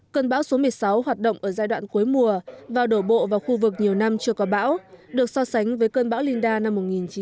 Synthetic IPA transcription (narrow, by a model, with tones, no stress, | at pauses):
kəː˧nɓaː˧˥wso˨˦mɨ˨˩əjsa˨˦wɦwaː˨˩t̚ɗə̰˧˨wŋ͡mʔəː˧˩zaː˧jɗwa̰ː˧˨nku˨˦jmu˨˩əvaː˨˩wɗo˧˩ɓo̰˧˨vaː˨˩wxu˧vɨ˨˩k̚ɲi˨˩əwna˧mt͡ɕɨ˧əkɔ˨˦ɓa̰ː˧˥wɗɨ˨˩ək̚sɔ˧sa˨˦jŋ̟vəː˨˦jkəː˧nɓa̰ː˧˥wli˧nɗaː˧na˧mːo˨˩t̚ŋi˨˩nt͡ɕi˨˦